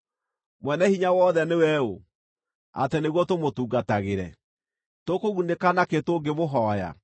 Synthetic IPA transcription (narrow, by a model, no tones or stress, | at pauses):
mwɛnɛhiɲawɔːðɛnewɛo | a̰teneɣwɔtomotuːɡataɣeɾɛ | tokoɣunekanaketoːɡemoɦɔja̰